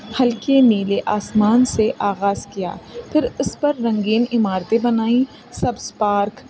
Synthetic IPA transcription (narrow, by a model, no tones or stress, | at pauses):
hɐlkeneleʔaːsmaːnseʔaːɣaːzkija̰ːpʰɪɾʊspɐɾːɐ̃ŋɡiːnɪmaːɾt̪ebɐnaːĩ | sɐbspaːɾk